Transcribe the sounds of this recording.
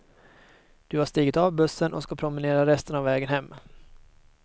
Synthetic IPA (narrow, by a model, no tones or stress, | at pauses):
d̪̥ɵhaʂt̪iːɡət̪ɑvbɵsːənʔɔ̰skapʰɾʊmɪneːɾaɾɛst̪ənavːɛːɡənhɛmː